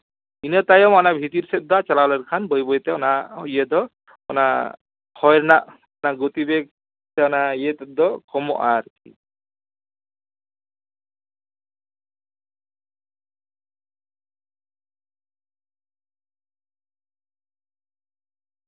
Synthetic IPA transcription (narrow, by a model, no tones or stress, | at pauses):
inɔt̪ajɔmanabʱit̪iɾsɛt̪̚d̪at͡ʃalalɛɾkʰanbɔjbɔjt̪ɛɔnajed̪ɔ | ɔ̰na | hʰɔjɾnaʔ | ɔnaɡot̪ibek̚ | t̪ɛɔnajet̪ɛd̪ɔkɔmɔ̰ʔaɾkʰḭ